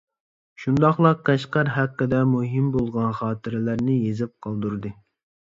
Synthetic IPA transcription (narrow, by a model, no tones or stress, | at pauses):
ʃund̪ɑχlˠɑq̚qæʃqɑɾɦæqːəd̪ɛmuɦimbolˠʁɑnχɑːt̪ʰɪɾɪlæɾnɪjezɪp̚qʰɑlˠd̪uɾd̪ɨ